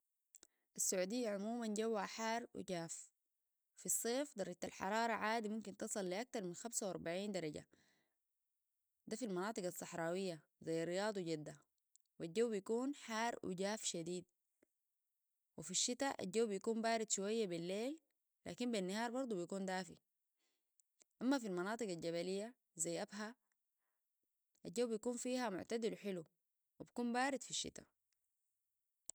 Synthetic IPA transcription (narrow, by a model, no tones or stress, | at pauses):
ʔasːaʕuːd̪ijːaʕʊmuːmanɟawːaħaːɾˤwḭɟaːf | fisˤːeːfd̪ˤɑɾˤɑɟ̚t̪alħɑ̰ɾˤɑːɾˤɑʕaːd̪imumkint̪ɨsˤɨlːiʔak̚t̪ɑɾˤminxamsawɑ̰ɾˤbaʕiːnd̪ɑɾˤɑɟa̰ | d̪afilmɑnɑːt̪ˤɨɡɑsˤːɑħɾˤɑːwijːa | zajːaɾijɑːd̪ˤuɟad̪ːa | wald͡ʒːawːbijakuːnħaːɾˤwḭɟaːfʃad̪iːd̪̚ | wifiʃːit̪aʔa̰d͡ʒawːbijkuːmbaːɾid̪ʃuwajːabilːeːlː | a̰ːkimbinːahɑːɾˤbɑɾˤd̪ˤubijkuːnd̪aːfḭ | ʔamːafilmɑnɑːt̪ˤɨɡalɟaβalijːa | zajːʔabɦa | ʔad͡ʒawːbijakuːnfiːhamʊ̰ʕt̪ad̪iluħilu | wibikuːmbaːɾid̪fiʃːḭt̪a̰